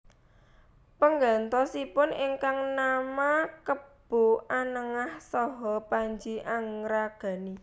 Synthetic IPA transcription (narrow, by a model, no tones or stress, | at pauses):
pəŋɡant̪ɔsipʊniŋkaŋnamakəb̥o̤ʔanəŋahsɔɦɔpaɲd͡ʒiʔaŋɾaɡ̥ä̤ni